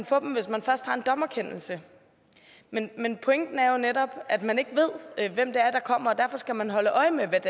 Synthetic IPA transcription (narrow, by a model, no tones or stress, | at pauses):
nfɔ̰̽ːd̥m̩ʋe̝smænfɶɐsd̥hɑ̈e̝nd̥ɒ̽mɐkʰen̰l̩sə | menmenpʰoeŋd̥n̩æɐjo̝ned̥ɒ̽b̥ʔæd̥mæne̝ɡ̥əʋe̝ð̞̰ˠʋem̰d̥e̝ɐd̥ɑ̈kʰɒ̽m̰ɐɒ̽d̥æɐfɒ̽sɡ̥æmænɦɒ̽ləʔɒ̽ɪmeʋed̥